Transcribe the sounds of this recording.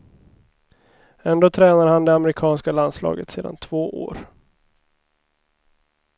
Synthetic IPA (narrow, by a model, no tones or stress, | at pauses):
ɛnd̪oːt̪ʰɾɛːnaɾəhand̪ɛamɾɪkʰɑːnskaland̪slɑ̰ːɡət̪seːd̪a̰nt̪ʰv̥oːʔo̰ːɾ